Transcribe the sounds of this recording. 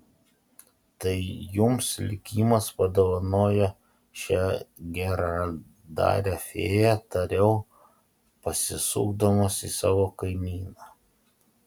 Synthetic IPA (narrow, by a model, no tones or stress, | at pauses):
t̪ɐɪjʊmslʲɪkʲiːmɐspɐd̪oʋɐnoːjɛ | ʃʲɛɡʲɛɾa | d̪ɑ̰ːɾʲɛfʲeːjæt̪ɐɾʲɛʊ | pɐsʲɪsṵːɡd̪omoːsḭsɑːʋoːkɐɪmʲiːnɑː